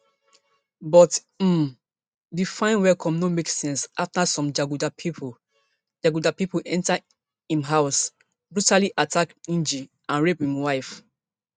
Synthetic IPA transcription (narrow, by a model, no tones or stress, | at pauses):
bɔt̩ | difãɪ̃nwɛlkʰɔ̃mnomeksɛ̃nsaftasɔ̃md͡ʒaɡudapʰipʰo | d͡ʒaɡudapipolʔɛ̃nta | ĩmɦaʊs | bɹutaliʔatʰakĩnd͡ʒi | ãnɹephĩmwaɪf